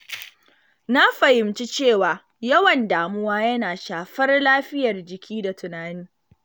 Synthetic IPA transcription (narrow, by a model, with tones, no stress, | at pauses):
na˦ɸɐ˨hɪ˨mt͡ʃi˦t͡ʃeː˦˨waː˨ | jɐ˦wɐ˨ndaː˨mʊ˦waː˦jɐ˦naː˨ʃaː˨ɸɐ˦rlaː˦ɸɪ˦jɐ˨rd͡ʒɪ˨kʲʰiː˦da˨tʰʊ˨naː˦niː˦